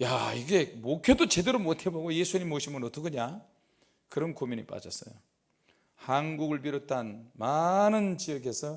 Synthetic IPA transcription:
ja̰iɡe̞mokʰjodot͡ɕe̞de̞ɾomotʰe̞boɡojesʰuɲimːoɕʰimɯnʌt͈ʌkɯɲa | kɯɾʌnkomjuɲip͈a̰d͡ʑʌs͈ʌ̰jo | hanɡuɡɯɭp̬iɾotʰanmanɯnt͡ɕijʌɡe̞sʰʌ

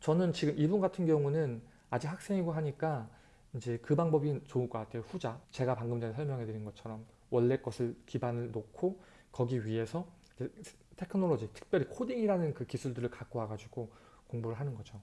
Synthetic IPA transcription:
t͡ɕʌnɯnt͡ɕiɡɯmibunɡatʰɯnɡjʌŋunɯn | ad͡ʑihak̚s͈e̞ŋiɡoɦaɲik͈a | ind͡ʑe̞kɯbaŋbʌbint͡ɕouk͈aatʰeɸud͡ʑat͡ɕe̞ɡapaŋɡɯmd͡ʑanesʰʌmjʌŋɦe̞dɯɾinɡʌt͡ɕʰʌɾʌm | wʌɭːek͈ʌsʰɯɭkibanɯɭnokʰo | kʌɡiɥie̞sʰʌ | id͡ʑe | tʰe̞kʰɯnoɭod͡ʑitʰɯ̥k̚pjʌɾikʰodiŋiɾanɯnkɯkisʰuɭdɯɾɯɭkak͈oɦaɡad͡ʑuɡ̥o | koŋbuɾɯɭɦanɯnɡʌd͡ʑo

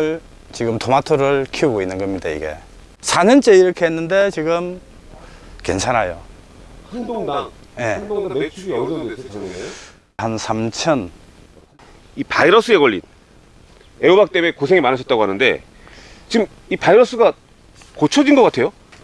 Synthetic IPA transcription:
ɯɭ | t͡ɕiɡɯmtʰomatʰɯɾɯɭkʰiuɡoinːɯnɡʌmɲidaḭɡe̞̰ | sʰaɲʌnt͡ɕ͈eiɾʌkʰe̞ɦenːɯnde̞t͡ɕiɡɯm | ke̞̰nt͡ɕʰanajo̰ | je̞ | hansʰamt͡ɕʰʌn | ipaiɾʌs͈ɯeɡʌʎːin | eobak̚t͈emekos̬ʰe̞ŋimanɯɕʰʌt͈aɡoɦanɯnde̞̰ | t͡ɕiɡɯm | ipaiɾʌs͈ʰɯɡa | kot͡ɕʰʌd͡ʑinɡʌk͈atʰe̞jo

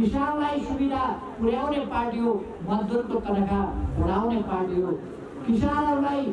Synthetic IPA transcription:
kisanlajsubid̪ʱa | puɽjawneparʈijo | mʌd̪uɾkot̪ʌɾʌkabʱʌɽawneparʈijo | kisanʌɾulaj

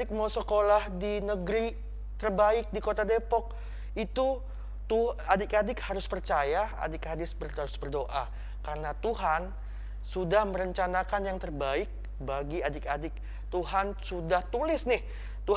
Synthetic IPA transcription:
ɪk̚mawsəkolahdinəɡɾi | t̪ərbaɪk̚dikot̪adepɔk̚ | it̪u | t̪uadɪkadɪkhaɾʊspərt͡ʃajaa̰dɪkadɪsbəraɾʊsbərdoʔa | kaɾənat̪uɦan | sudahməɾəɲt͡ʃanakanjaŋt̪ərbaɪk̚ | baɡiadɪkadɪk̚ | t̪uɦansudaht̪ulɪsnɪh | t̪u

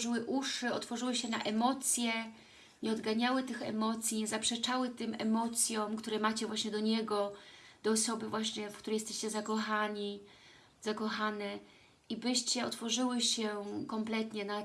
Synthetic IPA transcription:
ʐɘwɘʔuʂɘɔt̪fɔʐɘwɘɕɛna̰ʔɛmɔt̪sʲjɛ | ɲɛɔd̪ɡaɲawɘt̪ɘxɛ̰mɔt̪sʲjiɲɛzapʂɛt͡ʂawɘt̪ɘmʔɛmɔt̪sʲjɔ̃mkt̪uɾɛmat͡ɕɛvwaɕɲɛd̪ɔɲɛɡɔd̪̥ɔːsɔbɘvwaɕɲɛfk̚t̪uɾɛjɛst̪ɛɕt͡ɕɛzakɔxaɲi | z̥akɔxanɛ | ibɘɕt͡ɕɛɔt̪fɔʐɘwɘɕɛkɔmplɛt̪ɲɛna

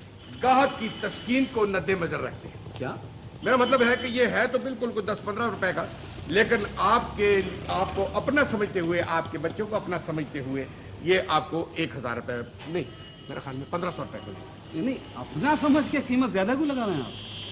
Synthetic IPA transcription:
ɡaːɦək̪̚kit̪ɐskiːnkonɐd̪ːemɐzəɾːɐk̚ʰt̪eɦɛ̃kja̰ː | meːɾamɐt̪̬ləbɦɛkejeɦɛt̪obɪlkʊlkʊd̪ɐspɐ̃nd̪ɾaɾʊpɛka | leːkɪnaːp̚keaːp̚koʔɐpnasɐməd͡ʒʱt̪eɦʊeʔaːp̚kebɐtːʃõkoɐpnasɐməd͡ʒʱt̪eɦue | jeʔaːp̚koeːkɦɐzaːɾːʊpɛ | nɐ̃ɦĩ | mḛːɾḛxjaːlmẽpɐ̃nd̪ɾasɔɾʊpɛko̰lḛː | nɐɦĩɐpnasɐməd͡ʒkekiːmət̪zjaːd̪akilɐɡaːɾeɦɛ̃a̰ːp

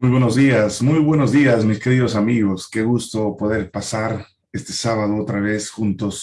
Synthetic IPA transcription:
ujβweno̞zðiasmujβwe̞no̞zðiasmiske̞ɾiðosamiɣo̞ske̞ɣust̪opo̞ðe̞ɾpasaɾ | e̞st̪e̞saβað̞oot̪ɾaβ̞e̞sxunt̪o̞s

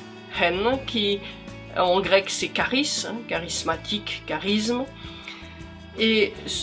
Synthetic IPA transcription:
hɛnkʲi | ɑ̃ɡʁɛksɛkaʁisɛ̰̃kaʁismat̪ʰikːaʁism | es

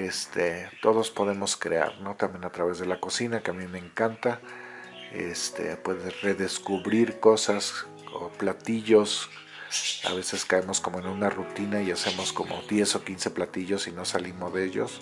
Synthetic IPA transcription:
e̞st̪et̪o̞ðo̞spo̞ðe̞mo̞skɾḛa̰ɾno̞t̪ambjenat̪ɾaβe̞zðe̞lako̞sinakeamime̞ːŋkant̪a | ḛst̪ʰe̞̰pwe̞ðesre̞ðe̞skuβɾiɾko̞sas | o̰plat̪iʝo̞s | a̰βe̞se̞skaemo̞sko̞moe̞nunarut̪inaiase̞mo̞sko̞mo̞̰ðje̞so̞kinse̞plat̪iʝo̞sino̞salimo̞zðeeʝo̞̰s

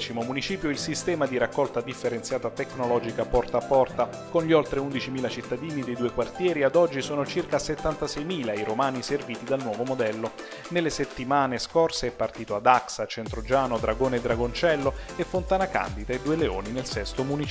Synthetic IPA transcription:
t͡ʃimomunit͡ʃiːpjoilsist̪ɛːmad̪iɾakːɔlt̪ad̪ifːeɾent̪sjaːt̪at̪ekːnolɔːd͡ʒikapɔrt̪aːpːɔrt̪a | konʎiolt̪ɾeund̪it͡ʃimiːlat͡ʃit̪ːad̪iːnid̪ejd̪uːekwart̪jɛːɾiad̪ɔd͡ʒːisoːnot͡ʃirkaset̪ːant̪asɛjmiːlaiɾomaːniserviːt̪id̪alnwɔːvomod̪ɛlːo | nelːeset̪ːimaːneskorseɛpːart̪iːt̪oad̪aksat͡ʃent̪ɾod͡ʒaːnod̪ɾaɡoːned̪ːɾaɡont͡ʃɛlːoefːont̪aːnaka̰nd̪it̪aed̪ːuːeleo̰ːninelsɛst̪omunit͡ʃ

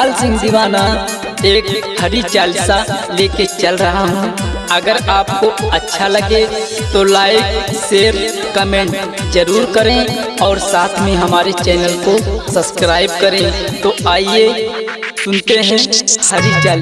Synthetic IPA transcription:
aːlsɪ̃ŋɡd̪ɪʋaːna | eːkhɐɾit͡ʃaːlsaleːket͡ʃɐlɾɐɦaɦɛ̃ɐɡəɾaːp̚koɐtːʃʰalɐɡe | t̪olaːɪkseːɾ | kəmẽːɳʈ | d͡ʒɐɾuːɾkɐɾeẽɔːɾsaːt̪ʰmẽɦɐmaːɾet͡ʃɛːnəlkosɐbskɾaːɪb̚kɐɾẽt̪oaːie | sʊ̃nt̪eɦɛ̃hɐɾit͡ʃaːl

